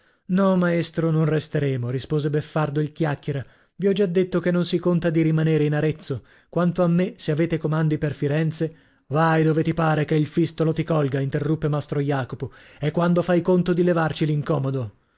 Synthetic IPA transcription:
nɔmaest̪ɾononrest̪eɾeːmoɾispoːzebefːard̪oilkjakːeɾa | viɔd͡ʒad̪ːet̪ːokenːonsikont̪ad̪iɾimaneːɾeinaɾet̪sːo | kwant̪oamːeseaveːt̪ekomand̪iperfiɾɛnt̪se | vajd̪oːvet̪ipaːɾekeilfist̪olot̪ikɔlɡaint̪erːupːemast̪ɾojaːkopoɛkːwand̪ofajkont̪od̪ilevart͡ʃiliŋkɔːmod̪o

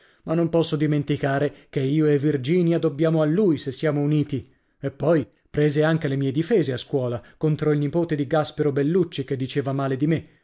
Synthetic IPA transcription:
manːompɔsːod̪iment̪ikaːɾekeiːoɛvːird͡ʒiːnjad̪obːjaːmoalːujsesːjaːmouniːt̪i | epːɔj | pɾeːzeaŋk̟elemiːed̪ifeːzeaskwɔːlakont̪ɾoilnipoːt̪ed̪iɡaspeɾobelːut͡ʃːik̟ed̪ːit͡ʃeːvamaːled̪ime

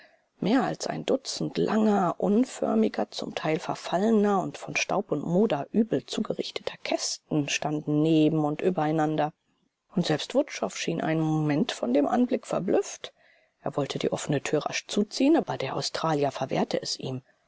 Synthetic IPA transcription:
meːɐa̰lsʔa̰ɪndʊt͡sn̩tlʔa̰ŋɐʔʊnfœ̰ɐmɪɡɐt͡sʊ̰mtʰaɪlfɛɐfalənɐʊntfɔnʃta̰ʊpʊntmoːdɐʔyːbl̩t͡suːɡəʁɪçtʰə̥tʰɐkʰɛstn̩ʃtandn̩neːbm̩ʊntʔyːbɐaɪnandɐ | ʊntz̥ɛlpstv̥ʊtʃɔfʃiːnʔa̰ɪnənmomɛntfɔndeːmʔa̰nblɪkfɛɐblʏft | ʔeːɐvɔltʰədiːʔɔ̰fənətʰyːɐʁa̰ʃt͡suːt͡siːənaːbɐdeːɐʔa̰ʊstʁ̥aːljɐfɛɐvḛːɐtʰəʔɛsʔiːm

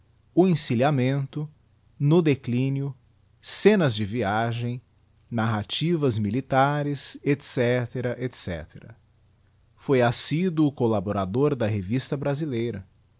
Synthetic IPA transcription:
ʊẽsiliamẽnt̪ʊ | nʊd̪eklĩniʊ | sẽnɐzd͡ʒɪviaʒẽj̃ | naɦat͡ʃivɐzmilit̪aɾɪset̪sɛt̪eɾɐʔet̪sɛ̰t̪eɾɐ̰ | fojasid̪ʊːkolaboɾad̪oɾd̪ɐɦevist̪ɐbɾazilejɾɐ

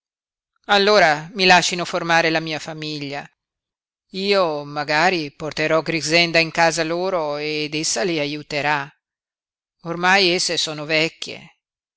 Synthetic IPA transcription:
alːoːɾamilaʃːinoformaːɾelamiːafamiʎːa | iːomaɡaːɾiport̪eɾɔɡɾiɡzɛnd̪aiŋkaːzaloːɾoed̪esːaliajut̪eɾa | ormajesːesoːnovɛkʲːḛ

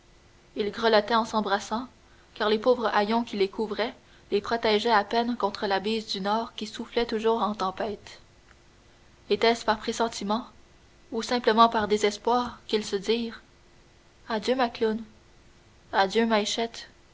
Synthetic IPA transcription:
ilɡʁəlɔt̪ɛɑ̃sɑ̃bʁasɑ̃ | kaːʁlepoːvʁəʔajɔ̃kʲilekʰuvʁɛ | lepχɔt̪ɛʒɛapɛnkɔ̃t̪χəlabizd̪ynɔːʁkʲisuflɛt̪uʒuːʁɑ̃t̪ɑ̃pɛːt̪ | et̪ɛspaʁpχesɑ̃t̪imɑ̃ | usɛ̃pləmɑ̃paʁd̪ezɛspwaːʁkilsəd̪iːʁ | ad̪jømaklun | ad̪jømajʃɛt̪

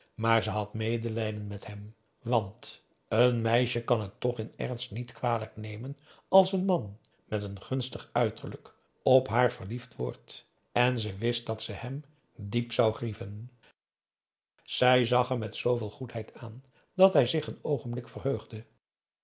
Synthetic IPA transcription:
maːɹzəɦɑtmejdəlɛjdənmɛtɦɛm | ʋɑnt | ənmɛjʃəkɑnɦətːɔχɪnɛ̰rnstnitkʋaːləknejmənʔɑlˠsənmɑn | mɛtənχɵnstəχœɥtərlək | ɔpɦaːɹvəɹliftʋʊ̰ːɹt | ɛnzəʋɪst̚dɑtsəhɛm | dipsɑwχrivən | z̥ɛjzɑχəɹmɛtsowvɪːlˠχutɦɛjtʰaːn | dɑtɦɛjzɪχənowχəmblɪkfərɦøɥχdə

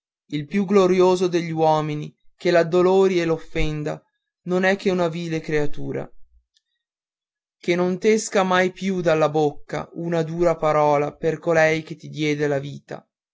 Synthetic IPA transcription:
ilpjuɡloɾjoːzod̪eʎːiwɔːminik̟elad̪oloːɾielofːɛnd̪a | nonɛkːeunaviːlekɾeat̪uːɾa̰ | kenːont̪eskamajpjud̪alːabokːa̰unad̪uːɾapaɾɔːlaperkolɛjk̟et̪ːid̪jɛːd̪elaviːt̪a̰

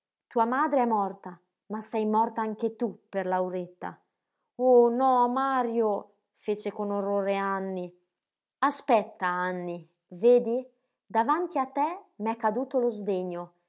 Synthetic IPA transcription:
t̪uːamaːd̪ɾeɛmːɔrt̪a | masɛjmɔrt̪aaŋk̟et̪upːerlawɾet̪ːa̰ | onɔmaːɾjo | fet͡ʃekonorːoːɾeanːi | aspɛt̪ːaanːi | veːd̪i | d̪avant̪iat̪ːɛmɛkːad̪uːt̪olozd̪eɲːo

